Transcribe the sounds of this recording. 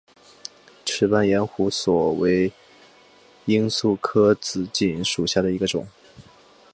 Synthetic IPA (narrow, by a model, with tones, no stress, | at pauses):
ʈ͡ʂʰɻ̩˧˥pa˥njɛ˧˥nxu˧˥swɔ˨˩we˧˥ɪ | i˥nsu˥˩kʰɤ˥t͡sɹ̩˧˥t͡ɕi˨˩nʂu˨˩ɕja˥˩ɾə˩i˧˥ɡə˧ʈ͡ʂʊ̰˨˩˦ŋ